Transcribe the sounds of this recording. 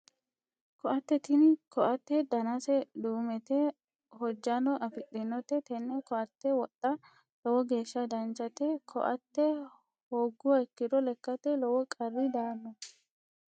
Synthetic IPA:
kɔʔɐt̪ːɛt̪ɪnkɔʔɐt̪ːɛd̪ɐnasɛd̪uːmɛt̪ɛ | hɔd͡ʒːanɔʔɐfɪɗʼɪnːɔt̪ɛt̪ɛnːɛkɔʔɐt̪ːɛwɔt̪ʼːɐ | lɔwɔɡe̞ːʃːɐd̪ɐnt͡ʃːɐt̪ɛkʰɔ̰ʔɐt̪ːɛ | hoːɡːʊwɐɛkːɪd̪ɔlɛkːɐt̪ɛlɔwɔkʼɐrːɪd̪aːnːɔ

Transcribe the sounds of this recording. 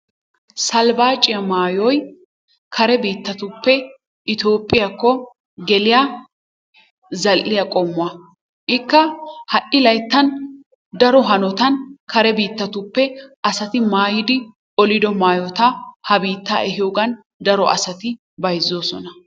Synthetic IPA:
sɐlbaːt͡ʃʼːɪjɐmaːjɔj | kʰɐɾɛbiːt̪ːɐt̪ʊpːɛ | ʔɪt̪o̞ːpʼːɪjakːɔ | ɡɛlɪja | zɐlːɪjɐkʼɔmːʊɐ | ʔɪkːɐhɐʔɪlɐjt̪ːɐn | d̪ɐɾɔɦɐnɔt̪ɐnkɐɾɛbiːt̪ːɐt̪ʊpːɛɐsɐt̪ɪmaːjɪd̪ɪ | ɔlɪd̪ɔmaːjɔt̪ɐhɐbiːt̪ːa̰ːʔɛɦɪjoːɡɐn | d̪ɐɾɔʔɐ̰sɐt̪ɪ | bɐjzːoːsɔnɐ

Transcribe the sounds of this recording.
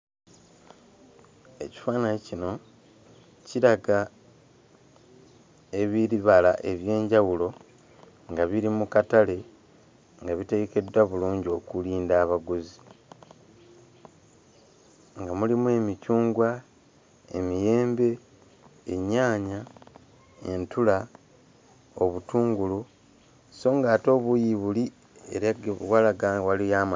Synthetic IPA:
e̞̰ci̥faːnaecino̞ | ciɾaɡa | e̞βiɾiβalaʔe̞βje̞ːɲɟawulo̞ | ŋɡaβiɾimukatale̞ | ŋɡaβite̞ɡe̞ke̞dwaβuluːɲɟio̞kuliːndaːβaɡuzi | ŋɡamulimue̞ːmicuːŋɡwa | e̞̰mije̞ːmbe̞ː | ɲːaːɲa | e̞ntula | oβutuːŋɡulu | so̞ːŋɡaːto̞ːβujiβuli | ḛɾaβwalaɡawalijaːma

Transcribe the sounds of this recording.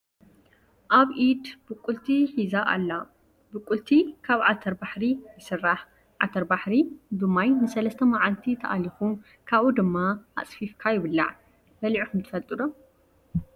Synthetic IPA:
ʔaβʔid̪b̥ɨkʼult̪ʰiħizaʔa̰lːa | bɨkʼːult̪ʰikʰaβʕat̪ʰɐɾbaħɾijɨsɨrːaħ | ʕa̰t̪ʰɐɾbaħɾid̪ɨmːajnɨsɐlɐst̪ʰɐmaʕalt̪ʰit̪ʰɐʔa̰lixu | kʰaβʔud̪ɨmːaa̰t͡sʼfifkʰajɪβɨlːa̰ʕ | bɐliʕixumt̪ʰɨ̥fɐlt̪ʼɨd̪om

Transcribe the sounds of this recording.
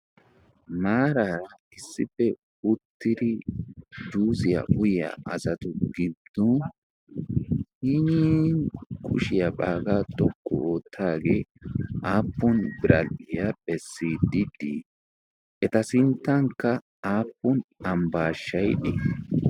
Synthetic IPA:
maːɾaɾɐ | ɪsːɪfːɛ | ʊt̪ːɪd̪ɪ | d̪uːzɪjɐ̰ʔʊjɪja̰ʔɐzɐt̪ʊɡɪd̪̥ɔn | hiniːnkʰʼʊ̰ʃɪjɐbaːɡat̪ʼɔkːɔo̞ːt̪ʰːaːɡeːʔaːpːɔnbɪɾɐlɪjabɛsːiːd̪ɪd̪ḭ | ʔɛt̪ɐsɪnt̪ːɐŋkːɐ | aːpːɔnɐmbaːʃːɐjɗɪ

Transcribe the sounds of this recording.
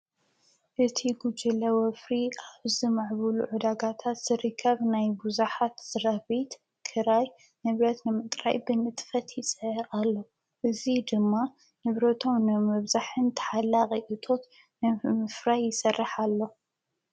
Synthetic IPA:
ʔɨt̪ʰiɡud͡ʒɨlɐwɐfɾiʔazimaʕβɨluʕʊd̪aɡat̪ʰat̪z̥ɨɾɨkʰːɐβnajbuzuħat̪z̥ɨɾɐβit̪ | kʰɨɾaj | nɨβɾɐt̪nɨmɨt̪ʼɾa̰jbɨnɨt̪ʼfɐt̪jɪsʼʔʼalːo̞ | ʔɨzid̪ɨmːa | nɨβɾɐt̪ʰo̞mnɨmɐβzaħɨnt̪ʰɐ̥ħalːaqʼiʔɨt̪ʰo̞t̪ | nɨmɨfɾajːɪsɐrːɨħalːo̞

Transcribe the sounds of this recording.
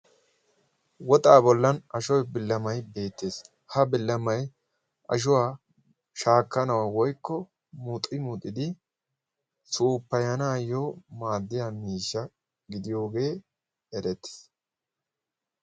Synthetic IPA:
wɔt̪ʼaːbɔlːɐnɐʃɔjbɪlːɐmɐjbe̞ːt̪ːeːs | hɐbɪlːɐmɐj | ʔɐ̰ʃ̬ʊwaː | ʃaːkːɐnɐwɐwɔjkːɔ | mut̪ʼːɪmut̪ʼːɪd̪ɪ | suːpːɐjɐnaːjoːmaːd̪ːɪjamiːʃːɐ | ɡɪd̪ɪjo̞ːɡe̞ː | ɛɾɛt̪ːɪ̥s

